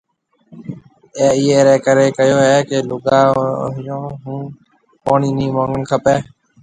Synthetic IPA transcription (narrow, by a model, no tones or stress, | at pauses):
eːiɦeːɾɛːkəɾeːkəjoːɦɛːkeːlʊɡaːɦɪjõːɦũː | poːɳiːniːmõːŋɡəɳkʰəpeː